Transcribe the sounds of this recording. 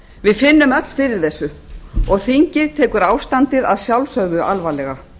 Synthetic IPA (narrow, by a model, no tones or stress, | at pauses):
vɪðfɪnːʏmœt̪l̥fɪɾɪɾ̥θɛsːʏɔɣθiɲcɪɾt̪ʰɛːkʏɾaːwst̪ant̪ɪðaðsjawlsœɣðʏʔalvalɛɣa